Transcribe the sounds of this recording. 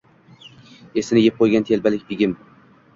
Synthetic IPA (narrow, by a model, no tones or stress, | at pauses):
e̞sɪnɪjep̚qʰojɡʲant̪ʰe̞lbalɪkʲbɪɡʲɪm